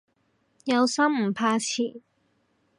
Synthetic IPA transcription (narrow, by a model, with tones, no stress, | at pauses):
jɐ˨˧wsɐ˥mm̩˨˩pʰaː˧t͡sʰiː˨˩˦